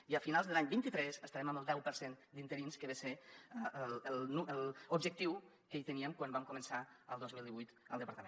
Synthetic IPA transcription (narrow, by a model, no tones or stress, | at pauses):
iəfinalzðəlaɲbint̪it̪ɾɛsəst̪aɾɛməməlˠd̪ɛwpəɾsend̪int̪əɾinskəβese | lnuəlubʒək̚t̪iw | kəejt̪əniəmkwambamkumənsaəlˠd̪ɔzmilˠiβujt̪əlˠd̪əpəɾt̪əmẽ